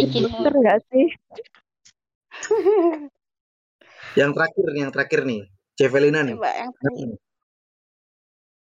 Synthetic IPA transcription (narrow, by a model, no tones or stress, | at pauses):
id͡ʒilk̪ərŋɡaʔsɪh | jaŋt̪əɾakɪrnijaŋt̪əɾakɪrni | d͡ʒɛfɛlinaniba̰ʔjaŋa